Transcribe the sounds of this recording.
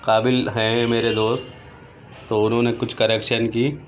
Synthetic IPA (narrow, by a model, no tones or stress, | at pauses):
qaːbɪlɦɛ̃meːɾed̪oːst̪ː | oʊnɦõːnekʊt͡ʃʰkɐɾɛkʃənkiː